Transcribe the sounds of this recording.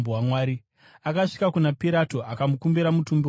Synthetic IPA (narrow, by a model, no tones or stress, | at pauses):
uwamwaːɾi | akaʂi̥kakunapiɾatoʔakamukumbiɾamutumbi